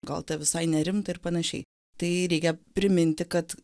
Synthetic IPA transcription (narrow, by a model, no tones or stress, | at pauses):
ɡɐ̰lˠt̪ʲɐʋʲɪsɐɪnʲɛɾʲɪmt̪ɐɪrpɐnɐʃʲɛ̰ɪ | t̪ɐɪɾʲɛɪkʲɛpʲɾʲɪmʲɪnʲt̪ʲɪkɐt̪